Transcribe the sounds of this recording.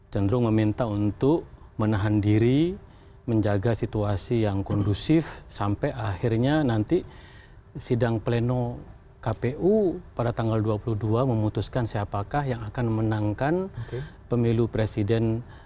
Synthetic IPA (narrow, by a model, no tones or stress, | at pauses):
t͡ʃənd̪ɾʊŋməmint̪aunt̪ʊkmənaɦandiɾi | məɲd͡ʒaɡasit̪uasijaŋkɔndusɪfsampɛʔahirɲanant̪i | sidaŋpleno | kapeʔupadat̪aŋɡalduapuluhduaməmut̪uskansiapakahjaŋakanmənaŋkanpəmilupɾesidɛn